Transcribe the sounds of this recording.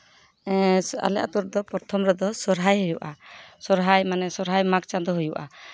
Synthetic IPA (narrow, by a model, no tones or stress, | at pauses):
a̰lɛʔa̰t̪ɔɾd̪ɔpɔɾt̪ʰɔmɾɔd̪ɔsɔɾɦajɦujuʔasɔɾɦajmanɛsɔɾɦajmak̚t͡ʃand̪ɔɦujuʔa